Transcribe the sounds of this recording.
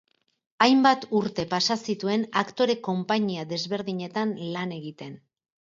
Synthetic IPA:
ajmbat̪uɾt̪e̞pasasit̪ue̞nakt̪o̞ɾe̞ko̞mpaɲiaðe̞zβe̞ɾðiɲe̞t̪anlane̞ɣit̪e̞n

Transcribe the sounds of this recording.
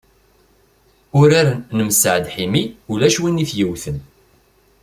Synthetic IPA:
ʊɾaɾnəmsə̰ʕd̪ħimiulæʃwiniθjəwθən

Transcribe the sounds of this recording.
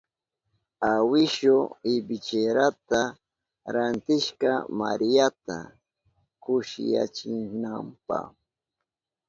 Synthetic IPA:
awɪʃʊɪbɪt͡ʃeɾat̪a | ɾant̪ɪʃkɑ̰ma̰ɾijat̪a̰ | kʊʃɪ̰ja̰t͡ʃɪnampa̰χ

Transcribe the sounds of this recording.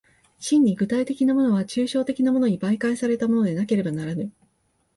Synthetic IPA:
ɕĩɲ̟ːiɡɯ̟t̪ait̪e̞kʲinamo̞no̞βat͡ɕɨːɕo̞ːt̪e̞kʲinamo̞no̞ɲ̟ibaikaisaɾe̞t̪amo̞nod̪e̞nake̞ɾe̞banaɾanɯ̟

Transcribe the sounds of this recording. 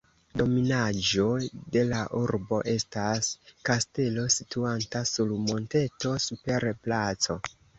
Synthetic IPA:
do̞minad͡ʒo̞de̞laʔuɾbo̞ʔe̞staskaste̞lo̞situantasulmo̞nte̞to̞supe̞ɾplat͡so̞

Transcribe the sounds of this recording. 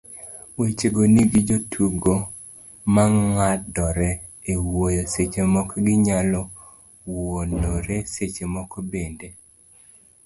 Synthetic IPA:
wet͡ʃeɡoniɡid͡ʒotʰuɡo | maŋŋadɔɾɛ | ewojoset͡ʃemɔkɡɪɲalɔ | wonoɾeset͡ʃemɔkɔbende

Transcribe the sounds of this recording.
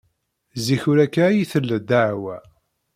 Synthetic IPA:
ziçʊɾækːajiθəlːəd̪aʕwæ

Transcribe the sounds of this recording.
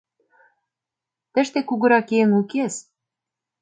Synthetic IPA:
t̪ə̆ʃt̪ekuɣɤ̆ɾɑkeŋukes

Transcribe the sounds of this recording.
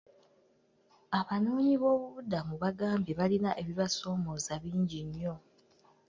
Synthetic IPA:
aβanuːɲiβo̞ːβuβudamuβaɡaːmbiβalinaʔe̞βiβaso̞ːmo̞zaβiːɲɟiɲːo̞

